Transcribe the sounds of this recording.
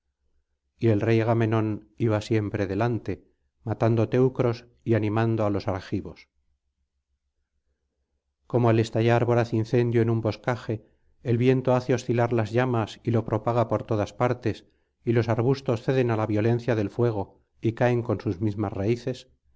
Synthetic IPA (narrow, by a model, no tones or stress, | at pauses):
ie̞lre̞jaɣame̞nõ̞n | iβasje̞mpɾe̞ðe̞lant̪e̞ | mat̪and̪ot̪e̞wkɾo̞s | ianĩmand̪oalo̞saɾxiβo̞s | ko̞moale̞st̪aʝaɾβo̞ɾaθinθe̞nd̪joenumbo̞skaxe̞ː | lβjent̪o̞aθe̞o̞sθilaɾlazʝamasilo̞pɾo̞paɣ̞apo̞ɾt̪o̞ðaspaɾt̪e̞s | ilo̞saɾβust̪o̞sθe̞ðe̞nalaβjo̞lẽ̞nθjaðe̞lfwe̞ɣ̞o̞ | ikae̞ŋko̞nsuzmizmasraiθe̞s